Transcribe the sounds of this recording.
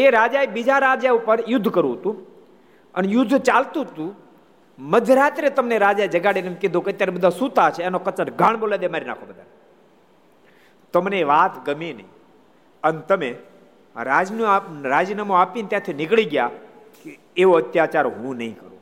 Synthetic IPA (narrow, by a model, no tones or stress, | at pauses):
eɾaːd͡ʒaebid͡ʒaɾaːd͡ʒaupəɾjʊd̪ʱːkəɾũɦət̪ũ | ənejʊd̪ʱːt͡ʃalt̪ũɦət̪ũ | məd̪ʱjəɾaːt̪ɾet̪əmneɾad͡ʒaed͡ʒəɡaɽenemked̪ʱõkeət̪jaɾebəd̪ʱasũt̪at͡ʃʰeːnokət͡ʃəʈɡʱaːɳboːlad̪emaːɾina̰ːkʰobəd̪ʱa̰n | t̪əmneʋaːt̪ɡəmine | ənet̪əmẽ | ɾad͡ʒnɾaːd͡ʒnamoaːpint̪jãt̪ʰinɪkɭiɡja | ke | eʋoət̪jat͡ʃaɾoɦũnə̰ɦĩkəɾṵ̃